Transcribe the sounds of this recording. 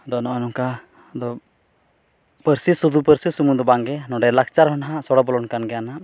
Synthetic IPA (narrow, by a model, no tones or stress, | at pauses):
d̪ɔnɔɔnɔŋka | d̪ɔ | pəɾsisud̪upəɾsisumud̪ɔbaŋɡɛnɔɖɛlak̚t͡ʃaɾɦɔnɦasɔɽɔbɔlɔnkanɡɛanaʔ